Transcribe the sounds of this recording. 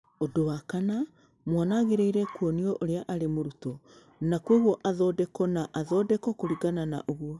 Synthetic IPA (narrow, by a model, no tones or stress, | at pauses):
odowakana | mwanaɣeɾeiɾɛkuɔniɔʔoɾeaʔaɾemoɾutɔ | nakwoɣwɔʔaðɔdɛkɔnaʔaðɔːdɛkɔkoɾiɡanana̰ʔoɣwɔ